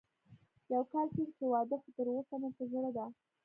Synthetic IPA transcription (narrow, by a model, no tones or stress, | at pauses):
jawkɑlkehewɑd̪əxt̪əɾosamat̪aʒɽad̪a